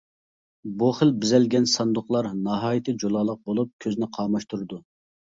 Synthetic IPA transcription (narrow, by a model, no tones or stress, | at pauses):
buχəlbɪzɛlɡʲɛnsɑnd̪ʊχlˠɑɾnɑɦɑːjit̪ʰɨd͡ʒolˠɑːlˠəq̚bolˠup̚kʲʰøznɪqʰɑːmɑʃt̪uɾɨd̪u